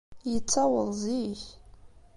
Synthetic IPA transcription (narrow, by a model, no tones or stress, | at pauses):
jət͡sːawəðˤziç